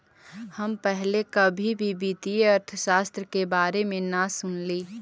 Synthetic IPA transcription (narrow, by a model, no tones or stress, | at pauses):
həmpɛɦlekɐbʱibʱibit̪iɐɾt̪ʰəʃaːst̪ɾəkebaːɾemẽnasʊnliː